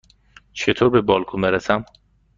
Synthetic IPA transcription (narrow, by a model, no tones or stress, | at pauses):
t͡ʃʰet̪ʰoːɾbebɒːlkʰumeɾesæm